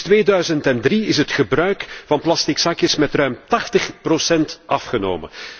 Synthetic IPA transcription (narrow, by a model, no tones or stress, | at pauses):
tʋeːdœɥzəntɛndriɪsətxəbɾœɥkvɑnplɑstɪksakjəsmɛtrœɥmtɑxtəχprosɛntʔɑfxəno̰ːmə̰n